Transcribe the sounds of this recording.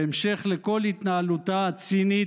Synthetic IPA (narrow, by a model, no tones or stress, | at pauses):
emʃeχleko̞lhit̪naalut̪aat͡sini